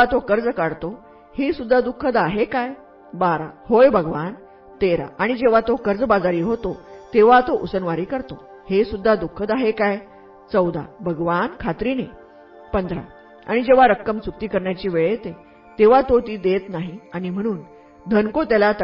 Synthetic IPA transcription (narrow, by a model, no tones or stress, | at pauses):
at̪okəɾd͡zkaɽt̪o | hesud̪ʱːad̪ukʰːəd̪aɦekaj | baɾahojbʱəɡʋan | t̪eɾa̰aɽ̃id͡ʑeʋ̤at̪okəɾd͡zbad͡zaɾiːɦot̪ot̪eʋat̪oʔusənʋaɾiːkəɾt̪o | hesud̪ʱːad̪ukʰːəd̪aɦekaj | t͡səwd̪ʱa̰bʱəɡʋankʰat̪ɾiːne | pənd̪ʱɾa̰ | a̰ɽ̃id͡ʑeʋ̤aɾəkːəmt͡suk̚t̪iːkəɾɳjat͡ɕiːʋeɭet̪e | t̪eʋ̤at̪ot̪iːd̪et̪naɦiaɽ̃im̤əɽ̃uːn | d̪ʱənkot̪jalat̪ə